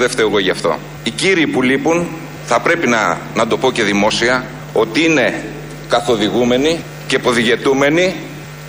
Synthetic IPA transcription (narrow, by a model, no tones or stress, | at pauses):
ðeft̪eoɣo̞ʝɐft̪o̞̰ | iciɾiːpulipun | θɐpɾe̞pinɐnɐd̪o̞po̞ce̞ðimo̞siɐ | o̞t̪iine̞ | kɐθo̞ðiɣume̞ni | cepo̞ðiʝe̞t̪ume̞ni